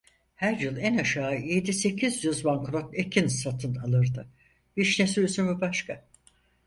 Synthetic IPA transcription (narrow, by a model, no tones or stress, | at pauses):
hæɾjɯlˠænaʃaːje̞d̪ise̞cʰizjyzbaŋkɾo̞t̪ecʰinsat̪ʰɯnalˠɯɾd̪ɯ | biʃnesilʲysynbibaʃkʰa